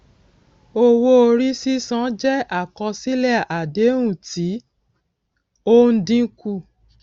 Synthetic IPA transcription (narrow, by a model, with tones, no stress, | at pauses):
o˧wo˧o˧ɾi˦si˦sã˦d͡ʒɛ˦a˦˨kɔ̃˧si˦lɛ˦˨a˨de˨˦ɾũ˦˨ti˨˦ | o˦n̩˦dĩ˦ku˦˨